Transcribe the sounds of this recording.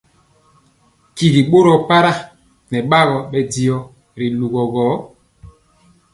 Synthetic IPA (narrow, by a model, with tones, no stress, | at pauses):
ki˨ɣi˨ɓo˦ɾɔ˨pa˦ɾa˦ | nɛ˨ɓa˦ɣɔ˨ɓɛ˦di˦ɔ˦ | ɾi˨lu˨ɣɔ˨ɣɔ˨˦